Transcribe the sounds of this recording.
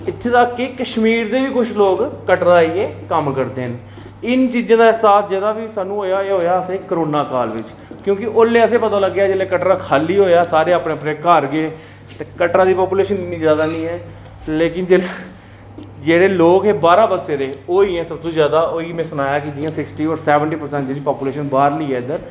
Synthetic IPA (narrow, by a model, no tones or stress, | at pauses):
ɪt̪ʰːeːt̪aːkːeːkəʃmiːɾd̪eːʋiːkʊt͡ʃʰloːkːəʈɾaːieːkəmkəɾd̪eːɦnː | ɪnt͡ʃiːd͡ʒãːd̪aːɪsaːsd͡ʒeːd̪aːbiːsaːnːũːɦoːjaːeːɦoːjaːəsẽːkəɾoːnaːkaːlʋɪ̰t͡ʃ | kjõːkɪʔoːlːeːəsẽːpət̪aːləɡːjaːd͡ʒeːleːkəʈɾaːkʰaːliːɦoːjaːsaːɾeːaːpɽẽːpɽeːkəɾɡeː | t̪eːkəʈɾãːd̪iːpaːpuːleːʃənɪnːĩːzjaːd̪aːnĩːɛː | leːkɪnd͡ʒeː | d͡ʒeːɽeːloːkeːbaːɾaːbəseːɾeːoːiːɛ̃ːsəb̚t̪õːzjaːd̪aːʔoːiːmɛ̃ːsʊnaːjaːkɪd͡ʒɪːãːsɪksʈiːɔːɾsɛːʋəɳʈiːpəɾsɛ̃ːɳʈd͡ʒɪliːpaːpuːleːʃənbaːɾləiːɛːɪd̪əɾ